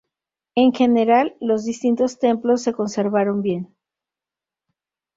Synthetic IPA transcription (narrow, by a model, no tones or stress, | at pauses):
e̞ŋxe̞ne̞ɾalːo̞zðist̪int̪o̞st̪e̞mplo̞s̬ːe̞ko̞nse̞ɾβaɾo̞mbje̞n